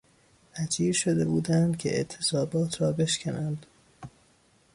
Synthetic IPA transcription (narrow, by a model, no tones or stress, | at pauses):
æd͡ʒiːɾʃod̪ebuːd̪ænd̪̥cʲʰḛʔḛt̪ʰːesɒːbɒːt̪ʰrɒːbe̞ʃcʲʰænænd̪̥